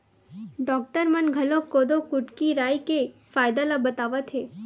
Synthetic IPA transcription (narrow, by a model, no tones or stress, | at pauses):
ɖɔk̚ʈəɾmənɡʱəlokod̪okuʈkiɾajkefajd̪alabət̪aʋat̪ʰe